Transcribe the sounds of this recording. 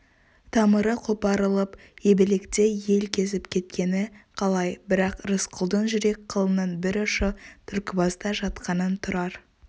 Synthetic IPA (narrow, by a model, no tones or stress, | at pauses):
t̪ʰɑməɾəqʰopɑɾəlˠəp | e̞bɪle̞kt̪e̞je̞lkʲʰe̞zɪpkʲʰe̞t̪kʲe̞nɪqʰɑlˠɑjbɪɾɑqrəsqʰʊlˠd̪ənʒʏɾe̞k̚ʲqʰəlˠənənbɪɾʊʃət̪ʰʏɾkʲɪbɑzd̪ɑʒɑt̪qʰɑnənt̪ʰʊɾɑɾ